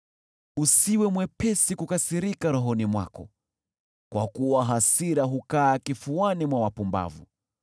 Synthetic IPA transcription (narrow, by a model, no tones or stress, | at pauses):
usiwɛmwɛpɛsikukasiɾikaɾɔɦɔnimwa̰kɔ | kwakuwaɦasiɾaɦukaːkifuanimwawapumba̰vṵ